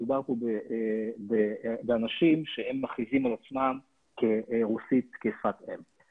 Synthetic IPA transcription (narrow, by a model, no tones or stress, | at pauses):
ubaʁpubebebeanaʃimʃehemːaχizimalat͡smam | keʁusit̪kesfat̪em